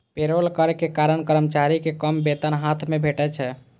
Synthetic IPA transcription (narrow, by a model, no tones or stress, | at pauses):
peɾolkəɾɛkekaɾənkəɾmt͡ʃaɾikekəmbet̪ənɦat̪ʰmebʱeʈɛt͡ʃʰɛ